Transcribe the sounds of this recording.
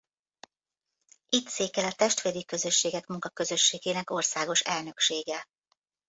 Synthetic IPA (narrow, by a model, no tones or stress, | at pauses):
it̪seːkɛlɒt̪ɛʃt̪ʋeːd̪ikø̞zø̞ʃːeːɡɛkmuŋkɒkø̞zø̞ʃːeːɡeːnɛko̞rsaːɡo̞ʃɛlnø̞kʃeːɡɛ